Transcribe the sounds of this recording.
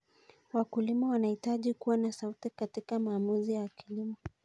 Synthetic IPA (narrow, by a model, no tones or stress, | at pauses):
wakulimɔwanahitaʄikuwanasautikatikamaːmuzijawakilimɔ